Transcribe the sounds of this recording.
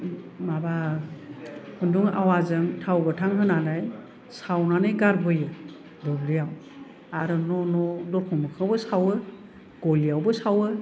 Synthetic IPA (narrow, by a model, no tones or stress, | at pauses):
maba | hunduŋa̰wazɯŋtʰawbɯtʰaŋɦɯnanaj | sawnanɯjɡaɾbɯjɯ | dɔblijaw | aɾɯnɔnɔdɔkʰɔmɯkʰɯawbɯsawɯ | ɡ̥ɔlijawbɯsawɯ